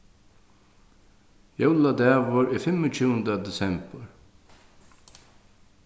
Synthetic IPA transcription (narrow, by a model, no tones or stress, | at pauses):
jowlad̪ɛːvʊɾifɪmʊt͡ʃʰuːənd̪əd̪ɛsɛmbəɹ